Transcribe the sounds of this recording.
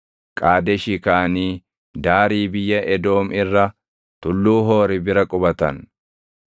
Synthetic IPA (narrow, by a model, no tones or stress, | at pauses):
kʼaːd̪ɛʃɪkaːniː | d̪aːɾiːbɪjːɐʔɛd̪o̞ːmɪrːɐ | t̪ʊlːuːɦo̞ːɾɪbɪɾɐkʼʊbɐt̪ɐ̰n